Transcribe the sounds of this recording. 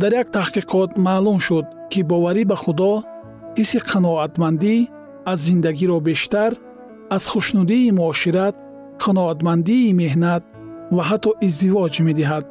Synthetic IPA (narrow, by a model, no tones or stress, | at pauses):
d̪aɾjakt̪ʰahqiqʰɔt̪malumʃud̪̚kʰibɔvaɾibaχud̪ɔ | hisiqʰanɔat̪mand̪i | azːind̪aɡiɾɔbe̞ʃt̪aɾ | az̥χuʃnud̪iːmuɔʃiɾat̪̚ | qʰanɔat̪mand̪iːme̞hnat̪̚ | vaɦat̪ʰːɔʔizd̪ivɔd͡ʒmed̪iɦad̪̚